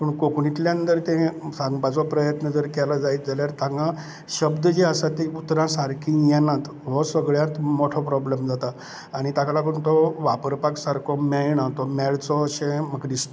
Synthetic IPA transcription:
pəɳkokɳit̪ljãənt̪əɾt̪ẽsãŋɡbat͡sɔpɾəjət̪nəd͡zəɾkɛlad͡zait̪̚d͡zaljaɾt̪ãŋɡa | ɕəbd̪əd͡ʑeəsat̪eut̪ɾãsaɾkʰĩjɛnat̪ | ʋɔsəɡɭjat̪mɔʈʰɔpɾɔblemd͡zat̪aː | ɽ̃it̪aklakəɳt̪ɔʋapəɾpaksaɾkʰɔmɛɭɳat̪ɔmɛɭt͡sɔəɕẽməɡd̪ist̪

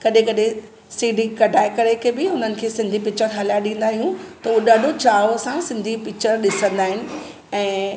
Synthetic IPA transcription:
kɐɗẽkɐɗẽ | siːɖikɐɖʱaːɪkɐɾekʰebɪʊnənɪ̆kʰeːsɪ̃nd̪ʱipɪt͡ɕəɾɦɐlajaɗĩːnd̪aːɦijũt̪ɐuɗaːɖʱot͡ɕaːosãsɪ̃nd̪ʱipɪkt͡ɕəɾɗɪsə̃nd̪aːɦɪnɪ̆ | ɛ̃ː

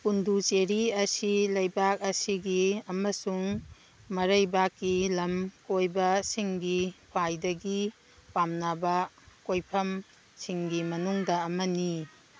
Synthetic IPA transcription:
pundʱut͡ʃeɾiɐsilɐjbak̚ɐsiɡiɐmɐsuŋ | mɐɾɐjbakːilɐmkojbɐsiŋɡikʰwajdɐɡi | pamnabɐ | kojpʰɐm | siŋɡimɐnuŋdɐɐmɐni

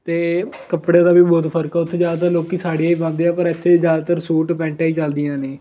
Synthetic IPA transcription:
t̪eː | kəpɽeːd̪aːbiːbɔːt̪pʰəɾkaːʊt̪ʰːed͡ʒjaːd̪aːt̪əɾloːkiːsaːɽiaːipãːnd̪eːaːpəɾɪt̪ʰːeːzjaːd̪aːt̪əɾsuːʈpɛ̃ːɳʈaːiːt͡ʃəld̪ɪjãːneː

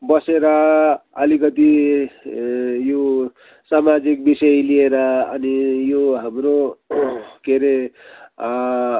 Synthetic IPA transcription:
bʌseɾʌʌlikʌt̪i | jo | samad͡zik̚bisʌjlieɾʌʌnijoɦamɾo | keɾe

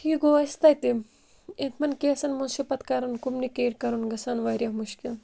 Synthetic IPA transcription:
hiɡoɐst̪ɐjt̪i | ẽt̪ʰmɐnkeːsɐnmunsipɐt̪kɐɾɐnkumnikeːɾkɐɾunɡɐsɐnʋɐːɾʲjɐmuʃkil

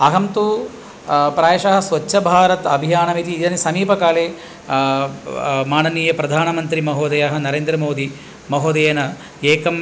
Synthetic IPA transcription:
ɐɦɐmt̪u | pɾaːjɐʃɐɦɐ̆sʋɐt͡ʃːʃɐbʱaːɾɐt̪ɐbʱijaːnɐʋit̪iːd͡ʒɐnisɐmiːpɐkaːleː | maːnɐniːjɐpɾɐd̪ʱaːnɐmɐnt̪ɾimɐɦoːd̪ɐjɐɦɐ̆nɐɾeːnd̪ɾɐmoːd̪i | mɐɦoːd̪ɐjeːnɐ | eːkɐm

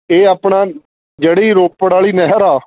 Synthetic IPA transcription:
eːaːpɳaː | d͡ʒeːɽːiːɾoːpəɽaːɭiːnɛɦəɾaː

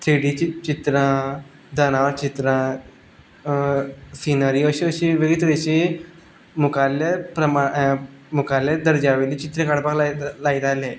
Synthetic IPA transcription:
t̪ʰɾiɽit͡ɕit̪ɾã | d̪ʱənaʋt͡ɕit̪ɾã | sinəɾiːəɕiəɕiʋeɡit̪ɾeɕi | mukalepɾəmamukaled̪əɾd͡ʑaʋeliːt͡ɕit̪ɾẽkaɽpaklalajt̪ale

